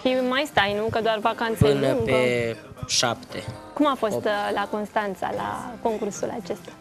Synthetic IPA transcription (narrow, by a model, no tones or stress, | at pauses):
fimajst̪ajnukəd̪oarvakant̪səɨnəpe | ʃapt̪ḛkumafo̞st̪lako̞nst̪ant̪sa̰la̰ko̞ŋkursula̰t͡ʃe̞st̪ḁ